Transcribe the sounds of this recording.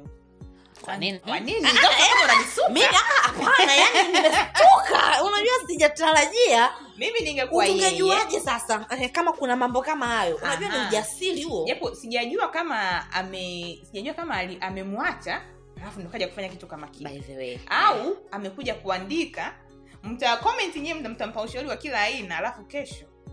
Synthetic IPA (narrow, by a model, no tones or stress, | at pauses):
kwankaninɡaɛnaisumiiaʔaapanajaninimɛsuka̰unaʄuwasiʄataɾaʄia | miminiŋɡɛkuwaŋɡɛʄuaʄɛsasaɛkamakunamambɔkamahajɔʔunaʄuwaniuʄasilihuɔʄapɔsiʄaʄuakamaa̰mɛsiʄaʄuakamaːliʔamɛmwat͡ʃa | alafundɔkaʄaku̥faɲakitukamakiaɛvɛwɛ̰auamɛkuʄakuandika | m̩takɔmɛntiɲɛɛm̩tam̩tam̩pauʃauɾiwakilaːinaːlafukɛʃɔ